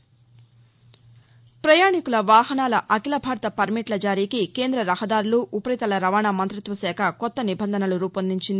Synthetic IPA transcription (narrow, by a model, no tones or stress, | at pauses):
pɾɐjaːɳikulɐʋaːɦɐnaːlɐʔɐkilɐbʱaːɾɐt̪ɐpɐɾmiʈlɐd͡ʒaːɾiːkike̞ːnd̪ɾɐɾɐɦɐd̪aːɾuluʔupɐɾit̪ɐlɐɾɐʋaːɳaːmɐnt̪ɾit̪ʋɐsɛːkʰɐkɔt̪ːɐnibɐnd̪ʱɐnɐluɾuːpɐnd̪iɲt͡ʃind̪i